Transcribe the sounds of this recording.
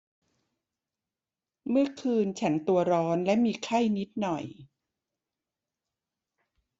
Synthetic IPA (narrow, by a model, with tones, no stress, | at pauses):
mɯ˥˩ɐkʰɯː˧nt͡ɕʰa˦˥nt̪u˧ɐɾɔː˦˥nlɛ˦˥ʔmiː˧kʰa˥˩jni˦˥t̪̚nɔ˨˩j